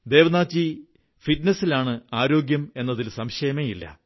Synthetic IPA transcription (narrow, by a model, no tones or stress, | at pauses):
d̪e̞ːʋɐnaːt͡ɕːi | fitnɐsːilaːɳɨaːɾo̞ːɡjɐme̞nːɐðilsɐmɕejɐmejilːɐ̰